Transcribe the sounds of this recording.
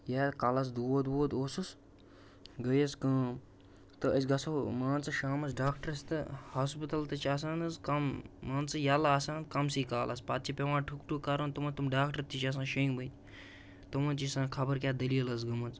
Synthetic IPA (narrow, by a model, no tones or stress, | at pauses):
jaːt̪kalɐs̬d̪uod̪woːt̪oːsus | ɡɐjɐskɐ̃ː | t̪ɨɐsɡɐsoːmaːnt͡sɨʃaːmɐsɖaːkʈɐɾɐst̪ɨ̰haːspɨt̪ɐlt̪ɨt͡ʃas̬ãːnɨzkɐmːaːnt͡sɨjaːlaːsãːnt̪kɐmsiːkaːlʔɐspat̪̚t͡ʃʰipʲeʋãːʈʰukʈukɐɾoːnt̪umɐt̪umɖaːkʈɐɾt̪it͡ʃas̬ãːʃɐ̃ŋɡbɐt̪ | t̪umɐ̃nt͡ʃisãːkʰɐbɐɾkʲjaːd̪ɐliːɐlɐs̬ɡɐmɐnt͡s